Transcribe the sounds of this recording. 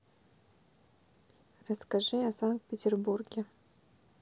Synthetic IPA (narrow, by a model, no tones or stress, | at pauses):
rɐskaʐɨasaŋkt̪̚pʲɪtʲʰɪrburɡʲe